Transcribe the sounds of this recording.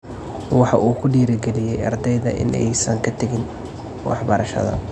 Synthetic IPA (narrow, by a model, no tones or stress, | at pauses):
wɑħɑʔuːkʰʊɖiːɾɪɡɛlɪjɛjɑ̰rd̪ɛjðɐʔɪ̰nʔɛ̰jsɐŋkʰɐt̪ʰɐɣɪn | wɑ̰ħbɐɾɐʃɐ̰ðɐ̰